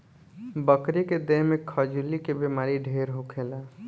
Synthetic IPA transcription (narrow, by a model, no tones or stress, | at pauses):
bəkɾeked̪eɦmekʰəd͡ʒulikebemaːɾiɖʱeɾɦokʰela